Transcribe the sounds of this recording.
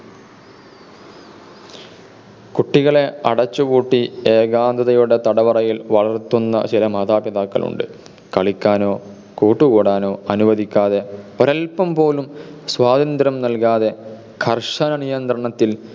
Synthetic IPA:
kuʈːiɣɐɭe̞ɐɽɐt͡ɕːuɣuːʈːieːɡaːnd̪ɐðɐjuɽe̞t̪ɐɽɐʋɐrɐjilʋɐɭɐrt̪unːɐ̰t͡ɕilɐmɐd̪aːbjɐðaːkːɐ̰ɭʔṵɳɖɨ̰ | kɐɭikʲːaːno̞ː | koːʈːuɣuːɽaːno̞ːɐnuʋɐðikʲːaːðeoɾɐlpɐmpo̞ːlumswaːðɐnd̪ɾɐmnɐlkaːðe̞ | kʰɐrʂɐnɐnijɐnd̪ɾɐɳɐt̪ːil

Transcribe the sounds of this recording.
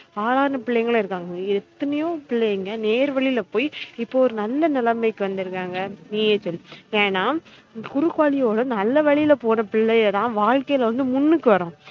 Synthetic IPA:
aːlaːnɐpɪɭːɐjŋɡɐɭ̃ɪɾɯkːaːŋɡɐɛt̪ːɐnɐjõːpɪɭːɐjŋɡɐneːɾʋɐɭɪlɐpoːjɪpːoːɔɾɯnɐlːɐnɪlɐmɐɪkːɯʋɐnd̪ɯɾɯkːaːŋɡɐniːjɛt͡ʃːɯleːnaː | kʊɾɯkːaːɭɪjoːɽɐ̃nɐlːɐʋɐɭɪjɪlɐpoːnɐpɪɭːɐjt̪ãːʋaːɻkɐjɪlɐʋɐnd̪ɯmʊnːɯkːɯʋɐɾõː

